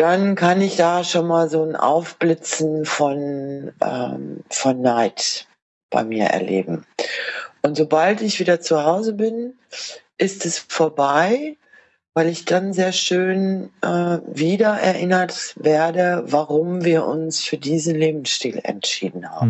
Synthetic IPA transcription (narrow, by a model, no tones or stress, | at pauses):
d̥ankʰanɪçd̥aːʃoːnmaːlzoːnʔa̰ʊfb̥lɪt͡sn̩fɔnʔɛ̰ːmfɔnːaɪt | b̥a̰ɪmiːɐʔɛ̰ɐlʔḛːbm̩ | ʔʊntz̥obaltɪçv̥iːdɐt͡suhaʊzəbɪn | ʔɪstɛsfoːɐbaɪ | vaɪlɪçd̥anzeːɐʃøːnʔɛːviːdɐʔɛ̰ɐʔɪnɐtveːɐdəvaʁʊmviːɐʔʊ̰nsfyːɐdiːzn̩leːbm̩sʃtiːlɛ̰ntʃḭːdn̩ha̰ːbm̩